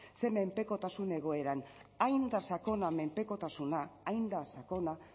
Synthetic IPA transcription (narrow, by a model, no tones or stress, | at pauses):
se̞me̞mpe̞ko̞t̪asune̞ɣ̞o̞e̞ɾanajnd̪asako̞name̞mpe̞ko̞t̪asunaːjnd̪asako̞na